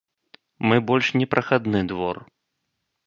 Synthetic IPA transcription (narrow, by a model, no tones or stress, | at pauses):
mɨbɔlʲʂnʲɛpɾʔɐxad̪nɨd̪vɔr